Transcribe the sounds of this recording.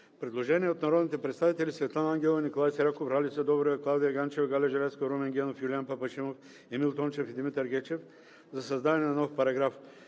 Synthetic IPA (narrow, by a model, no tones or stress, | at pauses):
pɾɛd̪lˠoʒɛniɛot̪nɐɾɔd̪nit̪ɛpɾɛt̪st̪avit̪ɛlʲisvɛt̪lˠanaŋɡʲɛlˠnikolˠajsɛɾʲakofɾalʲisɛd̪ɔbɾoɛklˠawd̪ijɐɡant͡ʃɛvɡalʲɛʒɛlɛt̪skoɾomɛŋɡʲɛnofjulʲianpɐpɐʃimof | ɛmilˠt̪ɔnt͡ʃɛfid̪imit̪əɾɡʲɛt͡ʃɛf | zɐsɐzd̪ad̪ɛnɛnɐnɔfpɐɾɐɡɾaf